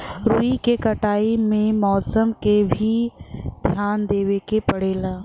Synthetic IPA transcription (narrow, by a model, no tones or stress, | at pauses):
ɾuikekɐʈaːimẽmɔːsəmkebʱid̪ʱjaːnd̪eːʋekepɐɽeːlaː